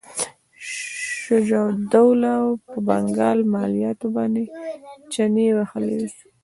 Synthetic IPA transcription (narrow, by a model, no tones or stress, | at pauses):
ʃad͡ʒawd̪awlawpəbaŋɡɑlmɑlijɑt̪obɑnd̪et͡ʃanewaxalḛw